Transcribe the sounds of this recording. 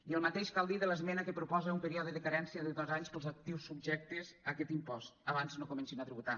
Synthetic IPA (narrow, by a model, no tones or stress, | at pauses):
iəlˠmat̪eʃkalˠd̪iðələzmɛnəkəpɾupɔzəumpəɾiɔðəðəkaɾɛnsiəðəðɔzaɲspəlˠzak̚t̪iwsːub̚ʒɛk̚t̪əzakɛt̪impɔst̪aβanznokumənsinat̪ɾiβut̪a